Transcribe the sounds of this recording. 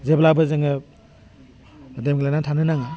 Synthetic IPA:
zeblabɯzeŋɯ | demɡlanatʰanɯnaŋa

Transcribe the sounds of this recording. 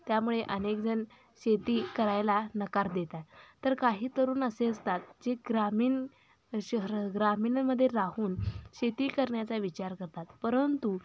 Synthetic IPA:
t̪jamuɭeʔənek̚d͡zən | ɕet̪iːkəɾajlanəkaɾd̪et̪at̪ːəɾkaɦiːt̪əɾuːnəseəst̪at̪̚d͡zeɡɾamiːn | ɡɾamiːnməd̪ʱːjeɾahuːnɕet̪iːkəɾɳjat͡saʋit͡ɕaɾkəɾt̪at̪pəɾənt̪u

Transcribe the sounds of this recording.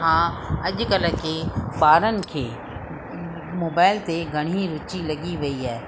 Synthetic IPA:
ɦãːɐʄkələkeɓaːɾənɪ̆kʰeː | moːbaːɪlt̪eɡʱɐɽ̤̃iɾʊt͡ʃilɐɡiʋɐiaː

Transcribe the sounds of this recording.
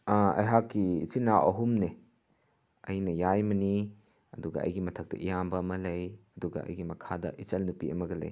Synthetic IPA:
ɐ̰jɦakːḭːt͡ʃinaʔɐɦumne | ɐjnɐjajmɐni | ɐduɡɐ̰ɐ̰jɡimɐtʰɐk̚tɐ̰ʔijambɐɐmɐlɐjɐduɡɐ̰ʔɐ̰jɡimɐkʰadɐ̰ʔit͡ʃɐlnupiɐ̰mɐɡɐlɐ̰j

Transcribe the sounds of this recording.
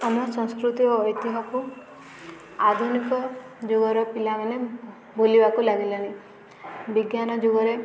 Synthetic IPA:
amɔsɔ̃ŋskɾut̪ioːjt̪iɦɔku | ad̪ʱunikɔ | d͡ʒuɡɔɾɔpilamane | bolibakulaɡilɔni | biɡjanɔd͡ʒuɡɔɾe

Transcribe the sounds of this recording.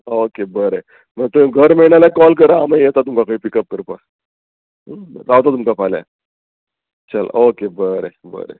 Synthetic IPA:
okebəɾe | mət̪oẽɡʱəɾmiɭɳ̃alakɔlk̬əɾaːmãjet̪at̪umkakaipikəp̚kəɾpa | ɾawt̪at̪umkapʰala̰ | t͡ɕəla̰okebəɾḛbə̰ɾḛ

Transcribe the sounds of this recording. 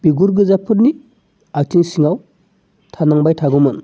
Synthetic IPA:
biɡuɾɡɯzapʰɯɾni | aktʰiŋsiŋaw | tʰanaŋbajtʰaɡumɯn

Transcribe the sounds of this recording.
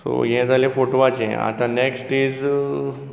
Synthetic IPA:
so̰ɦɛ̃d͡zʱalẽfoʈoʋat͡ɕḛ̃a̰t̪ãneksʈid͡z

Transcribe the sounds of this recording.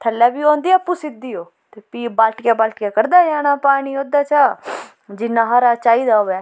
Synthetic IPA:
t̪ʰəlːɛːbiːõːnd̪iːɛpːuːsɪd̪iːoː | t̪eːpiːbalʈkɛːbəlʈkaːkəɾd̪aːjaːnaːpaːɽ̃iːoːd̪aːt͡ʃaː | d͡ʒɪnaːɦaːɾaːt͡ʃaːiːd̪aːoːɛː

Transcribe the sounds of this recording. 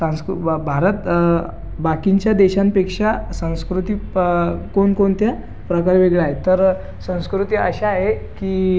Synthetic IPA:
sãw̃skubʱaɾət̪ | bakiɲt͡ɕjad̪eɕanpekʂasə̃w̃skɾut̪iːkonkont̪ja | pɾəkaɾʋeɡɭaɦet̪əɾ | sə̃w̃skɾut̪iːə̰ɕaːɦekiː

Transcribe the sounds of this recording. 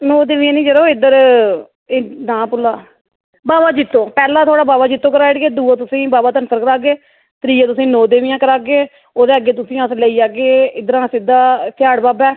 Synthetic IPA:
noːd̪eːʋijãːnĩːd͡ʒəɾoːɪd̪əɾ | enãːpʊlaː | baːbaːd͡ʒɪt̪ːõːpɛːlãːt̪ʰoːɽaːbaːbaːd͡ʒɪt̪ːõːkəɾaːɪɽɡeːd̪uːaːt̪̬ʊsĩːbaːbaːt̪ənsəɾkəɾaːɡeː | t̪ɾiːaːt̪̬ʊsĩːnoːd̪eːʋɪjãːkəɾaːɡeː | oːd̪eːəɡeːt̪̬ʊsĩːəsləiːaːɡeːɪd̪əɾãːsɪd̪aːpʰɪjaːɽbaːbɛː

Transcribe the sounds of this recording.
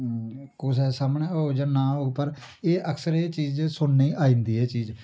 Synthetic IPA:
kʊsɛːsaːmɳɛːoːd͡ʒaːnãːɦoːɡpəɾ | eːʔəkʰsəɾeːt͡ʃiːd͡ʒsʊnːeːʔaːĩːnd̪iːɛːt͡ʃiːd͡ʒ

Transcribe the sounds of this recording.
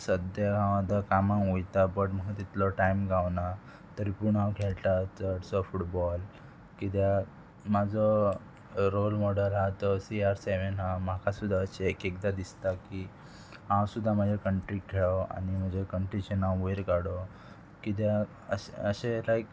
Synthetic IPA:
səd̪jaɦãʋad̪ʱakamãujt̪abəʈm̤əɡat̪it̪lɔʈaimɡawna | t̪əɾipuɳãwkʰeɭʈ̪at͡səɽsɔfuʈbɔl | kit̪̬a | mad͡zɔ | ɾolmɔɽəlɦat̪ɔsiaɾseʋenɦam̤akʰasud̪ʱːaəɕeːkek̚d̪ad̪ist̪aki | ɦãwsud̪ʱːam̤əd͡ʑʱekəɳʈɾikkʰːeɭɔa̰nim̤ənd͡ʑʱekəɳʈɾit͡ɕenãweɾkaɽɔ | kit̪̬ja | ə̰əɕelajk

